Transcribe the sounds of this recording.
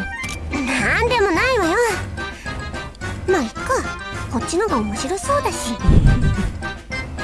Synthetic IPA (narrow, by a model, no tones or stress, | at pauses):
nand̪e̞mo̞naimajona | maikːaho̞t͡ɕʲt͡ɕːinoɡaomo̞ɕiɾo̞so̞ːd̪aɕi